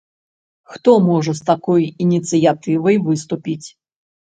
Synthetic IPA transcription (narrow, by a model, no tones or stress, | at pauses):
xt̪ɔmɔʐɐst̪akɔjinʲit̪sɨjat̪ɨvɐjvɨst̪upʲit͡sʲ